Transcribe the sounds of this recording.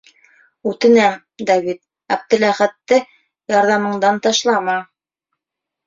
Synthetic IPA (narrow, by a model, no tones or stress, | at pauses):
ʉt̪ɘ̆næm | d̪ɑβit̪̚ | æb̚d̪ɘ̆læχæt̪ːɘ | jɑɾðɑmɤ̆ɴd̪ɑnt̪ɑʃlˠɑmɑ